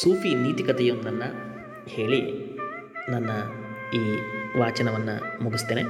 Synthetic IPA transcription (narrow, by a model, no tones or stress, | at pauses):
suːfiniːt̪ikɐt̪ɛjunɐnːɐ | he̞ːɭi | nanːɐ | iːʋaːt͡ʃɐnɐʋɐnːɐmuɡist̪eːne